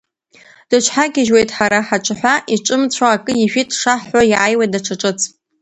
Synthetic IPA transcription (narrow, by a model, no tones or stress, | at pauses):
d̥ɨt͡ʃʷʰħaɡʲɪʒwejtʰʼħaɾaħaʈ͡ʂʷʼɨħʷaʔiʈ͡ʂʷʼɨmt͡ɕʷʰaːkʼɨjiʒᶣitʰʼʂaħːajajwadaʈ͡ʂʰaʈ͡ʂʼɨt͡sʰʼ